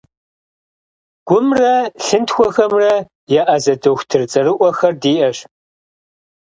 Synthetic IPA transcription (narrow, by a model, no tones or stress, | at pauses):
ɡ̥ʷʊmrɐɬɨntxʷɔxɐmrɐ | jɛʔɐzɐdoxʷtʰɨrt͡sʼɐɾɨʔʷɔxɐrdiːʔɐɕ